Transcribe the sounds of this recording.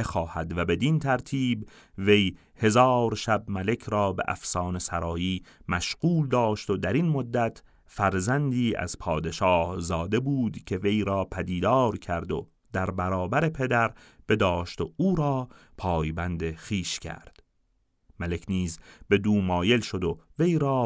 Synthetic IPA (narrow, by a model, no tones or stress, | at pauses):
exɒːhæd̪væbe̞d̪int̪ʰæɾt̪ʰiːb | ve̞j | he̞zɒːɾʃæbmæle̞kʰɾɒːbe̞̰ʔæ̰fsɒːne̞sæɾɒːjiːmæʃɢ̥uːld̪ɒːʃt̪o̞d̪æɾinmod̪ːæt̪ʰ | fæɾzænd̪iːæ̰z̥pʰɒːd̪e̞ʃɒːhzɒːd̪e̞buːd̪cʰe̞ve̞jɾɒːpʰæd̪iːd̪ɒːɾcʰæɾd̪o̞̰ | d̪̥æɾbæɾɒːbæɾe̞pʰe̞d̪æɾ | b̥e̞d̪ɒːʃt̪ouːɾɒː | pʰɒːjbænd̪exiːʃcʰæ̰ɾd̪̥ | mælekʰniːzbe̞d̪uːmɒːje̞lʃo̞d̪o̞ve̞jɾɒː